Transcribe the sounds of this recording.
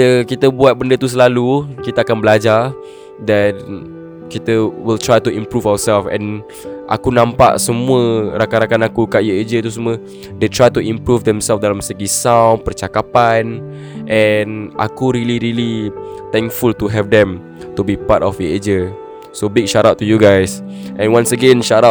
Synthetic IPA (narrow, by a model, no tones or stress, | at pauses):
əkit̪əbuat̪̚bəndət̪us̬əlalukit̪əakanbəlad͡ʒa | dɛn | kit̪əwilt̪ɾajt̪uĩmpɾufawəsɛlfɛ̰̃n | ʔa̰kunãmpa̰ʔsəmuəɾakaɾakanakukaʔjued͡ʒət̪us̬əmuə | det̪ɹajt̪uĩmpɾufd̪ɛmsɛlfdalamsəɡisawnpərt͡ʃakapan | ʔɛnʔa̰kuɾiliɾilit̪ɛ̃ŋkfult̪uɦɛvdɛ̃m | t̪ubipatɔfjied͡ʒə | sobik̚ʃaɾat̚tːujuɡajsʔɛ̃nwãnsəɡɛ̃nʃaɾa